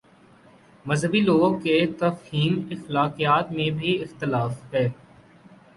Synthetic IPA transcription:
mɐzɦəbiloːɡ̚ket̪ɐfhiːmɪxlaːqijaːt̪mẽbʱiɪxt̪ɪlaːfɦɛː

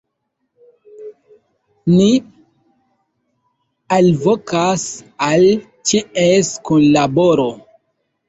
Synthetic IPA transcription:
ni | alvokasal | t͡ʃiʔeskunlaboɾo

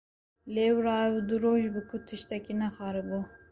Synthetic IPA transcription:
lewɾɑːud̪ɨɾoːʒbɨkʰʊt̪ʰɨʃt̪ɛkinɛxɑːɾɨbu

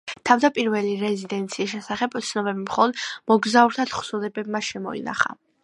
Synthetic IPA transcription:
t̪ʰavd̪apʼiɾvɛliɾɛzid̪ɛnt̪sʰiːs̬ʃɛsaχɛbt̪sʰnɔbɛbimχɔlˠɔd̪mɔɡzauɾt̪ʰat̪χsulɛbɛb̚maʃɛmɔḭna̰χa̰

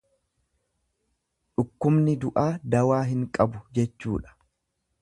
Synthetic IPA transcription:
ᶑʊkːʊmnɪd̪ʊʔaːd̪ɐwaːɦɪŋkʼɐbʊd͡ʒɛt͡ʃːuːᶑɐ̥

